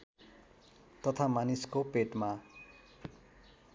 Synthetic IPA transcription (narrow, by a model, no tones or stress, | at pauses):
t̪ʌt̪ʰamaniskopeʈma